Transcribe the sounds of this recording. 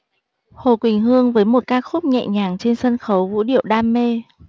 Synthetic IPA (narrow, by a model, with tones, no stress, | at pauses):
ho˨˩kwï˨˩ŋ̟ɦɨ˧əŋvəː˨˦jmo˨˩t̚kaː˧˥k̚xʊ˦˥p̚ɲɛ̰˧˨ɲaː˨˩ŋt͡ɕe˧nsə˧nxə˨˦wvṵ˧˥ɗḭ˧˨əwɗaː˧mːe˧